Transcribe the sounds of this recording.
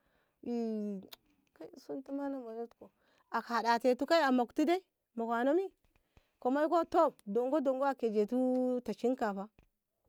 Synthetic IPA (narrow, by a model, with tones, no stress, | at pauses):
i˨ | ka˦i˦˨su˦ntu˦ma˦na˦mo˨no˦tko˨ | a˨ka˨da˨te˨tu˦ka˦i˦a˨ma˨ktu˦de˦ | ma˨kʷa˨no˦mi˦ | ko˨ma˦i˦ko˦to˦˨do˨ŋɡo˦do˨ŋɡo˦a˨ke˨d͡ʒe˨tu˦ta˨t͡ʃi˦nka˨pa˦